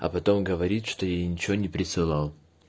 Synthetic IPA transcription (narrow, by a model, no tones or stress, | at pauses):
ɐ̰pɐt̪o̞mɡəvɐɾʲit̪ʂt̪o̞jejnʲɪt͡ɕɪvonʲɪpɾʲɪsɨlˠɑlˠ